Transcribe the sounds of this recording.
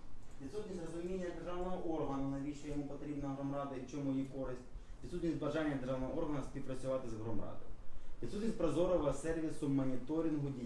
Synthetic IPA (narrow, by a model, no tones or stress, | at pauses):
ʋʲid̪sut̪ʲnʲisʲtʲrɔzʊmʲinʲːɐd̪erʒɑʋnɔɦɔʔɔrɦɐnʊnɐʋʲiʃɛjɔmupɔt̪ɾʲibnɐɦɾɔmɾɑd̪ɐit͡ʃɔmʊjjikɔɾɪsʲtʲʋʲid̪sut̪ʲnʲisʲt̪ʲbɐʒɑnʲːɐd̪erʐɑʋnɔɦɔɔrɦɐnɐspʲiwpɾɐt͡sʲʊʋɑt̪ɪzɦɾɔmrɑ̰d̪ɔʋʲid̪sut̪nʲistʲpɾɔzɔɾɔʋɐsɛrʋʲisʊmɐnʲit̪ɔɾʲinɦʊdʲi